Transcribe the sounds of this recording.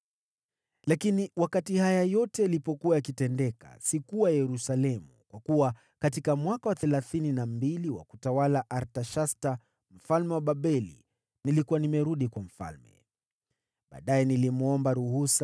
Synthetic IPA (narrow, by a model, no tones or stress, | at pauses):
lakiniwakatihajajɔtɛjalipɔkuwajakitɛndɛka̰sikuwajɛɾusalɛmukwakuwa | katikamwakawaθɛlaθininambiliwa̰kutawalaʔaɾtaʃasta | m̩falmɛwaɓaɓɛlḭ | nilikuanimɛɾuɗikwam̩fa̰lmɛ̰ | ɓa̰ːɗajɛnilimɔmbaɾuhus